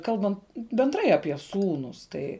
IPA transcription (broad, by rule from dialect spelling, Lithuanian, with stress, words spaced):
ˈkɐlˠbɐnt bʲɛnˈdrɐɪ ɐpʲiɛ ˈsuːnʊs ˈtɐɪ